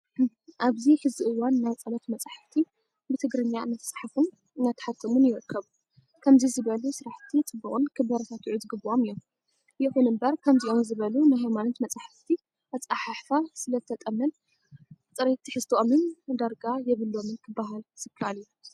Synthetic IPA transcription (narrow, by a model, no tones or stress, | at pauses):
ʔaβziħɨzbiʔɨwːanːajt͡sʼɐlɐt̪mɐt͡sʼaħɨft̪ʰi | bɨt̪ʰɨɡɾɨɲːanat̪sʼaħafɨn | nat̪ʰːɨ̥ħat̪ʰːɐmunjɪɾɨkʰːɐβ | kʰɐmzizɨβɐlusɨɾaħt̪ʰit͡sʼɨbːuχʼunkʰɨbɐɾɐt̪ʰat̪ʕuzɨɡɨbːuʔomijom | jɛxunɨmbɐɾkʰɐmziʔo̞mzɨβɐlunajɦajmanɐt̪mɐt͡sʼaħɨft̪ʰi | ʔɐt͡sʼaħaħfasɨlɐzɨt̪ʰɐt̪ʼɐmːɨn | t̪ʼɨɾet̪ʰːiħɨst̪ʰʔomɨnd̪aɾɡajɛβɨlːo̞mɨnkʰɨbːaɦalsɨkʰaliju